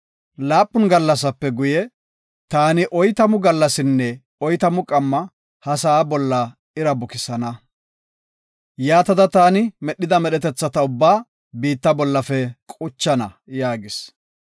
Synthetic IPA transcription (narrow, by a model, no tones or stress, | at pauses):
laːpʼːʊnɡɐlːɐs̬ɐpːɛɡʊjɛ | t̪aːnɪʔɔjt̪ɐmʊɡɐlːɐsɪnːɛ | ɔjt̪ɐmʊkʼɐmːɐ | hɐsɐːbɔlːɐ | ɪɾɐbʊkɪsɐnɐ | jaːt̪ɐd̪ɐt̪aːnɪmɛɗːɪd̪ɐmɛɗɛt̪ɛt͡sːɐt̪ɐʊbːaː | biːt̪ːɐbɔlːɐfɛkʼʊt͡ʃːɐnɐ | jaːɡɪs